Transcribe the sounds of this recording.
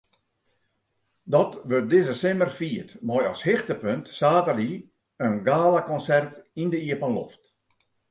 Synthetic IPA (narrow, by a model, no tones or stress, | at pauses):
dɔtʋøt̚dɪzəsɪmərfiətmɔjɔshɪxtəpøntsaːtəli | ənɡaːlakɔnsɛrtindəiəpənlo̰ft